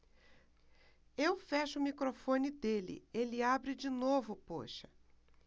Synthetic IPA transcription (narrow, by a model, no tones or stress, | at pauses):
ewfɛʃʊʊmikɾofõnɪd̪elɪ̰elɪabɾɪd͡ʒɪnovʊpo̰ʃɐ̥